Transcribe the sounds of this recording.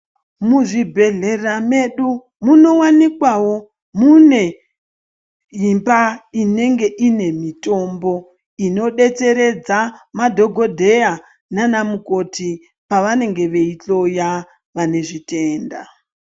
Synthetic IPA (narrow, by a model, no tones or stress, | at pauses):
muʐibʱe̞ɮe̞rame̞ɗu | muno̞wanikwawo̞ | mune̞ | jimbaine̞ŋɡe̞ʔine̞mito̞mbo̞ | ino̞ɗe̞t͡se̞ɾe̞d͡zamadʱo̞ɡʱo̞dʱe̞ja | nanamuko̞ti | paʋane̞ŋɡe̞ʋe̞it͡ɬo̞ja | ʋane̞ʐite̞ːnda̰